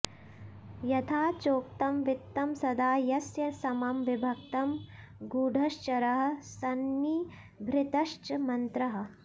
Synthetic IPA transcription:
jɐt̪ʰaːt͡ʃoːkt̪ɐmʋit̪ːɐmsɐd̪aːjɐsjɐsɐmɐmʋibʱɐk̚t̪ɐm | ɡuːɖʱɐʃt͡ʃɐɾɐɦɐ̆sɐnːiː | bʱɾɪt̪ɐʃt͡ʃɐmɐnt̪ɾɐɦɐ̆

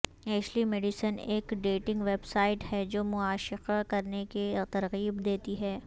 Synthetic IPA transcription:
ɛːʃlimeːɖɪsəneːkɖeːʈɪ̃ŋɡʋeːbsaːɪʈhɛd͡ʒoːmʊaːʃɪqakɐɾneket̪ɐɾɣiːbd̪eːt̪iɦɛː

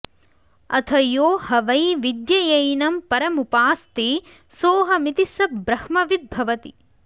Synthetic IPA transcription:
ɐ̰t̪ʰɐjoːhɐʋɐjʋid̪jɐjɐjnɐmpɐɾɐmupaːst̪eː | soːɦɐmit̪isɐbɾɐhmɐʋid̪̚bʱɐʋɐt̪i

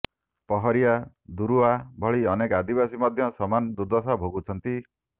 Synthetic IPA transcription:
pɔɦɔɾija | d̪uɾuabʱɔɭiɔnekad̪ibasimɔd̪ʱjɔsɔmanɔd̪ud̪ɔsabʱoɡut͡ʃʰɔnt̪i

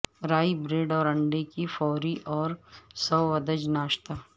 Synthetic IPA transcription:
ɾaːibɾeːɖɔːɾɐ̃ɳɖekifɔːɾiʔɔːɾsɐwɐd̪əd͡ʒnaːʃt̪a

